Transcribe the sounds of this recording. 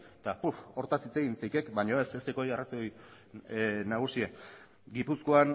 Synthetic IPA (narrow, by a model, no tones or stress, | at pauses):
t̪apufo̞ɾt̪asit͡se̞ɣinsajkekbaɲo̞e̞sest̪eko̞jarasoj | naɣ̞usia | ɡipusko̞an